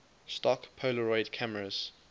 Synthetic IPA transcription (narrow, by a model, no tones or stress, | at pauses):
stɔkpʰoləɹɔɪdkʰaməɹəz̥